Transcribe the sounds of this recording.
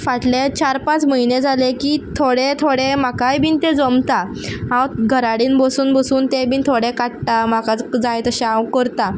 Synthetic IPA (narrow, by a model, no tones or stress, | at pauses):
faʈlet͡ɕaɾpãt͡sməined͡zʱalekit̪ʰoɽet̪ʰoɽemakajbʱiːnt̪ed͡zomt̪a | ɦãwɡʱəɾaɽiːnbəsuːnbəsuːnt̪ebiːnt̪ʰoɽekaʈʈ̪am̤akat͡sd͡zajt̪əɕawkəɾt̪a